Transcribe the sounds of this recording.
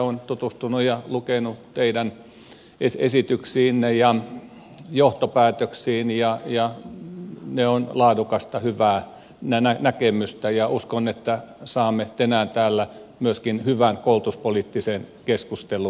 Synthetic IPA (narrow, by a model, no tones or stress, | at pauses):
ont̪ut̪ust̪unujɑlukenut̪eidæn | esḛsit̪yksiːnːejɑ | joht̪opæːt̪øksiːnjɑjɑ | neonlɑːdukɑst̪ɑhyʋæː | nænænækemyst̪æjɑuskonet̪ːæsɑːmːet̪enæːnt̪æːlːæmyøskinhyʋænkoult̪uspolit̪ːisenkeskust̪elu